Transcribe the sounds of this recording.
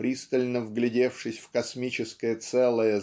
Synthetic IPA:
pɾʲist̪əlʲnəvɡlʲɪdʲe̞fʂɨsʲfkɐsmʲit͡ɕɪskəjət̪sɛlˠəjə

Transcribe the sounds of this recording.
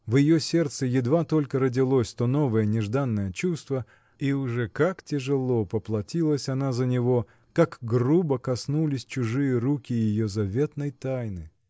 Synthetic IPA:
vjɪjosʲe̞rt̪səjɪd̪vat̪o̞lʲkəɾədʲɪlˠosʲt̪ono̞vəjənʲɪʐd̪anːəjət͡ɕust̪və | iʊʐɛkaktʲɪʐɨlˠo̞pəplˠɐtʲilˠəsʲɐnazənʲɪvo̞ | kakɡrubəkɐsnulʲɪsʲt͡ɕʊʐɨjəɾukʲɪjɪjozɐvʲe̞t̪nəjt̪ajnɨ

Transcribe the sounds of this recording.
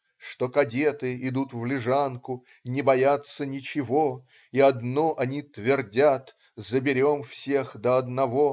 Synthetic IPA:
ʂt̪o̞kɐdʲe̞t̪ɨɪd̪ut̪vlʲɪʐankʊ | nʲɪbɐjat̪sənʲɪt͡ɕɪvo̞ | iɐd̪noʔɐnʲit̪vʲɪrdʲat̪ | zəbʲɪɾʲo̞mfsʲexd̪əɐd̪nɐvo

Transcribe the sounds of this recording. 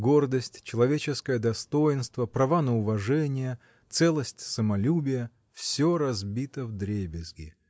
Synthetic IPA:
ɡo̞rd̪əsʲtʲt͡ɕɪlˠɐvʲet͡ɕɪskəjəd̪ɐst̪o̞jɪnst̪vəpɾɐvanəʊvɐʐɛnʲɪjə | t̪sɛlˠəsʲtʲsəmɐlʲubʲɪjə | fsʲoɾɐzbʲit̪əvd̪ɾʲebʲɪzɡʲɪ

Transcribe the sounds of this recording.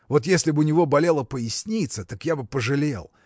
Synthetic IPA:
vo̞t̪jesʲlʲɪbɨʊnʲɪvo̞bɐlʲe̞lˠəpəjɪsʲnʲit̪sət̪akjabɨpəʐɨlʲe̞̰lˠ

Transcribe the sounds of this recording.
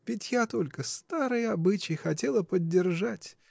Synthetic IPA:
vʲɪtʲjat̪o̞lʲkəst̪aɾɨjɐbɨt͡ɕɪjxɐtʲe̞lˠəpədʲːɪrʐatʲ

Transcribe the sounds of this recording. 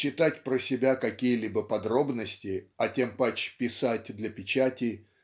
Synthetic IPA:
t͡ɕːɪt̪atʲpɾəsʲɪbʲakɐkʲijəlʲibəpɐd̪ɾo̞bnəsʲtʲɪɐtʲempat͡ɕpʲɪsatʲd̪lʲɐpʲɪt͡ɕatʲɪ

